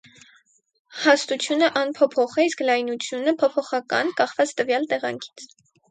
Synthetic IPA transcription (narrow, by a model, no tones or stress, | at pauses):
hɑst̪ut͡sʰjunəʔɑnpʰɔpʰɔχɛisklɑjnut͡sʰjunəpʰɔpʰɔχɑkɑ̰nkɑχvɑt͡st̪əvjɑlt̪ɛʁɑ̰ŋkʰi̥t͡sʰ